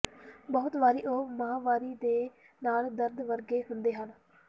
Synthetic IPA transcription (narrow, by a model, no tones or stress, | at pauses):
bəːʊt̪ʋaːɾiːʔoːmaːʋaːɾiːd̪eː | naːld̪əɾd̪ʋəɾɡeːɦʊnd̪eːɦən